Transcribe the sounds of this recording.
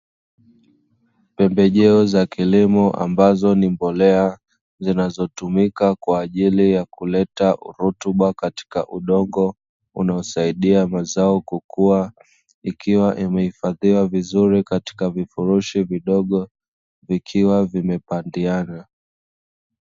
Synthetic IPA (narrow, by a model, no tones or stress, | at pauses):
pɛmbɛʄɛɔzakilimɔʔa̰mbazɔnimbɔlɛa | zinazɔtumikakwaːʄilijakulɛtaʔṵɾutuɓakati̥ka̰ʔuɗɔŋɡɔ | ṵnaɔsaiɗiamazaɔkukua | ikiwaʔimɛhifaðiwavizuɾikati̥kavifuɾuʃiviɗɔɠɔ | vikʰiwavimɛpandiana